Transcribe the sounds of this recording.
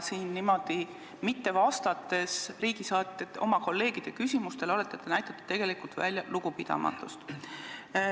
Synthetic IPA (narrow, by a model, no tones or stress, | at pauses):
siːnnimo̞d̪̥i | mit̪ːe̞vɑst̪ɑt̪ːˑe̞sriːɡ̥isɑːt̪t̪ːet̪ːo̞̰mɑko̞lːe̞ːɡ̥id̪̥e̞kysʲimust̪e̞lo̞le̞t̪ːˑet̪ːenæjt̪ˑɑt̪ːˑud̪̥t̪e̞ɡ̥e̞likult̪væ̰lʲjɑluɡ̥upid̪̥ɑ̰mɑ̰t̪ːˑust̪